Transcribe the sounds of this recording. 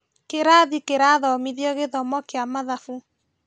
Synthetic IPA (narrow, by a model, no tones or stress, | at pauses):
keɾaðikeɾaðɔmiðjɔɣeðɔmɔkeamaðafu